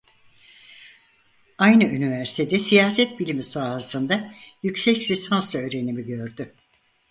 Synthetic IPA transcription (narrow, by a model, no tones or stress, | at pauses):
ajnɯynivæɾsi̥t̪ʰed̪ɛsijaːsɛt̪̚bilʲimisaːɦasɯnd̪ajycsɛcsisansɾaøːɾe̞nimiɟøɾd̪ʏ